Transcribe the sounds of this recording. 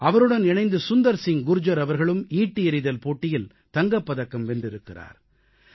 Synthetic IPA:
ɐʋɐɾɯɽɐnɛɳɐɪnd̪ɯsʊnd̪ɐɾsɪŋɡʊɾɯd͡ʒɐɾɐʋɐɾɣɐɭɯmiːʈːɪɛɾɪðɐlpoːʈːɪjɪl | t̪ɐŋɡɐpːɐðɐkːɐmʋɛɳɖɪɾɯkːɪra̰ːɾ

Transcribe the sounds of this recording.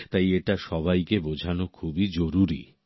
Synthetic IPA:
t̪ajeʈaʃɔβajkebod͡ʑʱanokʰubid͡ʑoɾuɾi

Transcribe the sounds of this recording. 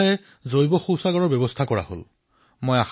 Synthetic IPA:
ɛ | zojbɔxowsaɡɔɹɔɹbɛbɔstʰakɔɹa̰ho̰l | mojax

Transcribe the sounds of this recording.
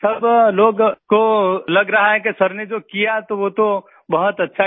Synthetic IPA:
sɐbloːɡkolɐɡɾɐɦaɦɛkesɐɾned͡ʒoːkijat̪oʋot̪o | bɐɦʊt̪ɐtːʃʰa

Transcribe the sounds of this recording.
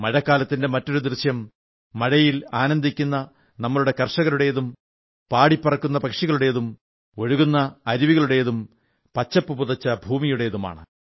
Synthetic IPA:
mɐɻɐkːaːlɐt̪ːinde̞mɐtːo̞ɾud̪rɨɕjɐmː | ɐɻɐjilaːnɐnd̪ʱikʲːunːɐ | nɐmːɐɭuɽe̞kɐrʂɐɣɐluɽe̞jeðum | paːɽipːɐrɐkːunːɐpɐkʂiɣɐɭuɽe̞jeðum | o̞ɻuɣunːɐːɾiʋiɣɐɭuɽe̞jeðum | pɐt͡ɕːɐpːɨpuðɐt͡ɕːɐbʱuːmijuɽe̞jeðuma̰ːɳɨ

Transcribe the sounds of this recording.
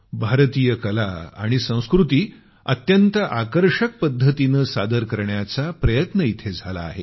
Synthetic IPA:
bʱaɾt̪iːjəkəlaa̰ɽ̃isə̃w̃skɾut̪iː | ət̪jənt̪əʔakəɾʂək̚pəd̪ʱːət̪inəsad̪əɾkəɾɳjat͡sapɾəjət̪nəit̪ʰed͡zʱala̰ːɦḛ

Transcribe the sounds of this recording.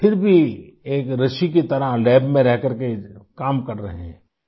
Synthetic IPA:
fʰɪɾbʱieːkɾɐʃiket̪ɐɾalɛːbmẽɾɛɦkɐɾkekaːmkɐɾɾɐ̰ɦḛɦɛ̃ː

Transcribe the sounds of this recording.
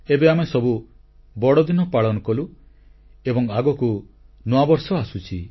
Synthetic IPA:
ebeamesɔbu | bɔɽɔd̪inɔpaɭɔnɔkɔlu | ebɔŋaɡɔku | nɔabɔɾsɔasut͡ʃʰi

